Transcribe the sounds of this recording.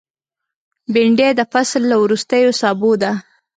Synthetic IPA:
bɪɳɖed̪əfaslːawɾust̪əjosɑbod̪a

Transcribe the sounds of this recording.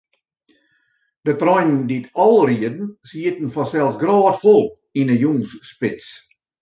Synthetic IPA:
d̥ətrɔjnnditʰɔlˠriədn̩siətn̩fɔsɛlˠsɡrɑːtfɔlˠ | inəjuŋsːpɪt͡s

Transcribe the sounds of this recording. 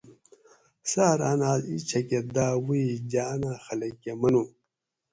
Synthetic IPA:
saːɾanaːzḭt͡ʃʰɐked̪aːwiid͡ʑanaːxɐlɐkːemɐnu

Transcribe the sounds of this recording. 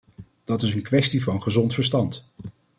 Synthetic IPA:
d̥ɑtɪsənkʋɛstivɑnχəzɔntfəɹstɑnt

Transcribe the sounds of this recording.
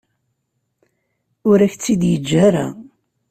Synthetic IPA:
ʊɾæçt͡sːid̪jəd͡ʒːaɾa̰

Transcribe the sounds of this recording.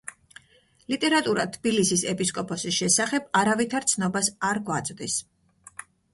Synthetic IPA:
lit̪ʼɛɾat̪ʼuɾat̪ʰbilisisɛpʼiskʼɔpʰɔsiʃɛsaχɛbaɾavit̪ʰaɾt̪sʰnɔbasaɾɡwat̪sʼd̪is

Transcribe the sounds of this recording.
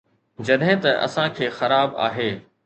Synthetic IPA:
d͡ʑɐɗɦɪ̃t̪ɐʔɐ̰sãkʰeːxɐɾaːba̰ːɦeː

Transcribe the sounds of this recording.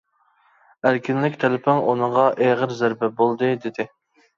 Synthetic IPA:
ælkʲinlɪkʲt̪ʰɛlɪpʰɪŋunɨɴʁɑʔeʁəɾzæɾbɛbolˠd̪ɨd̪ɪd̪ɪ

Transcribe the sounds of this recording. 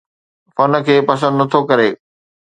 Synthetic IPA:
fɐn̆kʰeːpɐs̬ə̃nd̪nɐt̪ʰokɐɾeː

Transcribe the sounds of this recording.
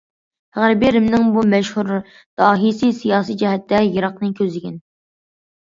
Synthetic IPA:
ʁæɾbiɾɪmnɪŋbumɛʃhuɾ | d̪̥ɑːɦisɨsijɑːsijd͡ʒɛɦɛt̪ːɛjɨɾɑqnɨkʲʰøzɪɡʲɛn

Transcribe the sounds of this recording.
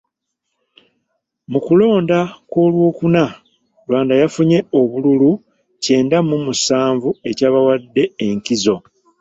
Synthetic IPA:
mukulo̞ːndako̞ːlwo̞ːkuna | lwaːndajafuɲe̞o̞βululu | ce̞ːndamumusaːɱvue̞caːβawadːe̞ːŋkizo̞

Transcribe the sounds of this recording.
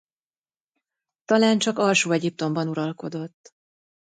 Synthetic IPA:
t̪ɒlaːnt͡ʃɒkɒlʃoːɛɟip̚t̪o̞mbɒnuɾɒlko̞d̪o̞t̪ː

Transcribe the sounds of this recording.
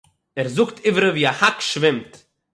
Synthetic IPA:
ɛɾzʊktʰɪvəɾəviːahakʃvɪmt

